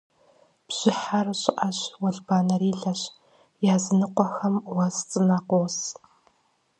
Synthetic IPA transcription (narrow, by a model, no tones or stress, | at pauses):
b̥ʑ̥ɪħarɕʼɪʔaɕwɐɮbaːnɐɾiːɮɐɕ | jaːzɨnɨqʷɔxɐmwɐzt͡sʼɨnaqʷows